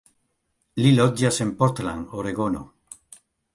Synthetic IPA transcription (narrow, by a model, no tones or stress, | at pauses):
lilot̪̚jasempoɾt̪la̰ŋoɾeɣono̰